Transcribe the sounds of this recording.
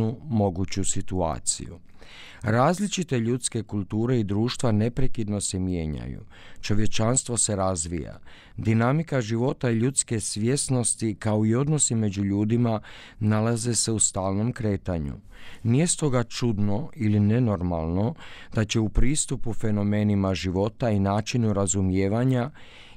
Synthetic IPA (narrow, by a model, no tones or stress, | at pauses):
umo̞ɡut͡ɕusit̪ua̰ːt̪sḭṵ | ɾaːzlit͡ʃit̪e̞ʎut̪ske̞kulˠt̪uːɾe̞id̪ɾuːʃt̪ʋane̞pɾekid̪no̞se̞mje̞ːɲa̰jṵ | t͡ʃo̞ʋje̞t͡ʃanst̪ʋo̞se̞ɾazʋḭja̰ | d̪inamikaʒiʋo̞t̪aiʎut̪ske̞sʋjesno̞st̪ikao̞io̞d̪no̞sime̞d͡ʑuʎuːd̪ima | nalaze̞se̞ust̪aːlˠno̞mkɾe̞ːt̪aɲṵ | nije̞st̪o̞ɡat͡ʃud̪no̞iline̞no̞ɾma̰lˠno̞d̪̥at͡ɕe̞upɾiːst̪upufe̞no̞me̞ːnimaʒiʋo̞t̪ainaːt͡ʃinuɾazumjeːʋaɲa